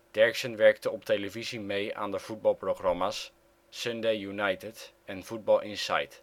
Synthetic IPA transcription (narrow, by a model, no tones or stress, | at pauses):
d̥ɛɹksənʋɛɹktəɔpteləvizimejʔa̰ːndəv̥ud̚bɑlˠproχrɑmasː | øndejjunajtɪt | ɛnfud̚bɑlˠʔɪnsa̰jt